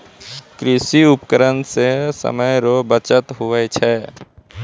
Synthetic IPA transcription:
kɾɪsiʊpkəɾənsesə̰məjɾobət͡ʃət̪ɦʊet͡ʃʰɛ

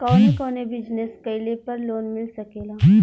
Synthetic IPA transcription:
kɔːnekɔːnebɪd͡ʒneskɐilepɐɾloːnmɪlsɐkeːlaː

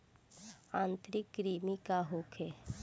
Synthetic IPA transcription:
ãːnt̪ɾɪkːɾiːmikaɦoːkʰɛː

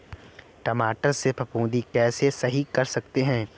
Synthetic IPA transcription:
ʈɐmaːʈəɾsepʰɐpũːd̪ikɛːsesɐɦikɐɾsɐkt̪eɦɛ̃ː

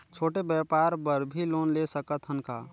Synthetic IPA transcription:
t͡ʃʰoːʈebjɛpaɾbəɾbʱiloːnlesəkət̪ɦənka

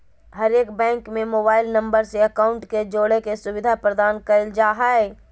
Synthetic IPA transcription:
ɦəɾeːkbɛ̃ːŋkmẽmoːbaːɪlnɐ̃mbəɾseɐkaːʊ̃ɳʈked͡ʒoːɽekesʊwɪd̪ʱapɾəd̪aːnkəld͡ʒaːɦaɛ

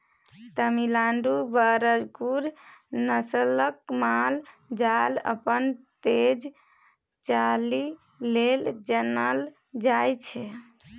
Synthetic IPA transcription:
t̪əmilaɳɖubəɾəd͡ʒɡuɾnəsələkmald͡ʒalə̰pənt̪ed͡ʒ | t͡ʃali | leld͡ʒənəl | d͡ʒajt͡ʃʰɛ

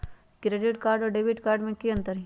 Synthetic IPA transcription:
kɾeːɖɪʈkaːɾɖɔːɾɖeːbɪʈkaːɾɖmẽkiə̃nt̪əɾɦi

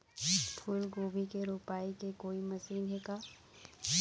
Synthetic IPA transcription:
pʰʊlɡoːbikeɾoːpaːikekoːimɐsiːnɦeːkaː

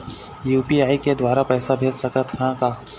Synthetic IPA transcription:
juːpiaːiked̪waːɾapɛːsabʱeːlsɐkət̪ʰɦãkaː

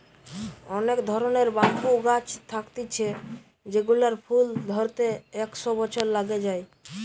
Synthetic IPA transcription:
ɔnekd̪ʱɔɾoneɾbaŋkuɡat͡ɕt̪ʰakt̪it͡ɕʰe | d͡ʑeɡulaɾpʰuld̪ʱɔɾt̪eɛkʃobɔt͡ɕʰoɾlaɡed͡ʑaj

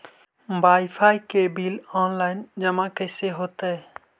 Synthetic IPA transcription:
ʋaːɪfʰaːikebiːlɔːnlaːɪnd͡ʒəmãkəːseɦoːt̪e

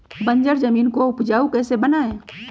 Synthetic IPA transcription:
bə̃ɲd͡ʒəɾzɐmiːnkoʊpd͡ʒaːukɛːsebɐnaːẽː

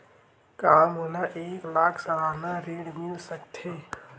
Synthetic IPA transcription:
kaːmɦonaʔeːklaːkʰsəlaːnaɾeːɽmɪlsəkt̪ʰeː

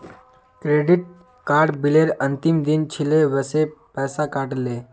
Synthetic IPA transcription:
kɾeɖiʈ̚ | kaɾɖbileɾənt̪imd̪int͡ɕʰileʋəsepɛːsakaʈle

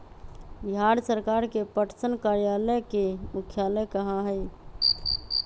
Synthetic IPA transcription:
biɦaɾsəɾkaɾkepəʈʰsənkaɾijaləjkemukʰjaləjkəɦãɦəj

